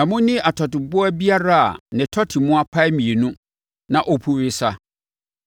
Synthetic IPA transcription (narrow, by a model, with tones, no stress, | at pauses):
ã˨mʊ̃˦nɪ̃˦a˨tʰɔ˨tɪ˨bʊ˦a˦bi˦a˦ɾa˦a̰˨nɪ̃˨tʰɔ˦tʰɪ˨mʊ̃˦a˦pʰa˦ɛ˦mĩ˨e˨nũ˦ | nã˨ʔɔ˦pʰu˦ɾɪ˦sa˦